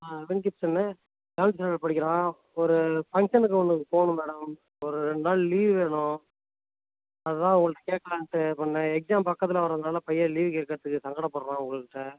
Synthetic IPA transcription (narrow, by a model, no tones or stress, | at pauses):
aʋɛnkɪpsɐnːɐ | ɡaːssɐɐɭpɐɽɪkːɪɾãː | ɔɾɯfɐŋʂɐnɯk̬ːɯɐnd̪ɯkːɯpoːɳɯ̃mɛːɽɐm | ɔɾɯɾɛɳɖɯnaːɭliːʋʋeːɳʊ̃ | ɐðɯt̪ãːʊŋɡɐɭɯʈːɐkeːʈ̚kːɐlãːnʈːɯpɐɳːɐɛksaːmpɐkːɐt̪ːɪlɐʋɐɾɐðɯnaːlɐpɐjːɐliːʋkeːkːɐɾɐt̪ːɯkːɯsɐŋɡɐɽɐpɔːɾɐɾãːʊ̃ŋɡɐɭɯkːɪʈːɐ